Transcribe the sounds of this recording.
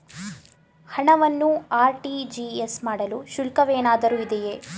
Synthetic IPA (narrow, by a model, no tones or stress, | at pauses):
hɐɳɐʋɐnːuaːɾʈid͡ʒiesmaːɽɐluʃulkɐʋeːnaːd̪ɐɾuːid̪ɛjeː